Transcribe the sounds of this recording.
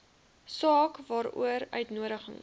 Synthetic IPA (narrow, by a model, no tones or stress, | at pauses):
sɑːkvɑːɾṵəɾœ̰ɥtnuəɾəχə̰ŋ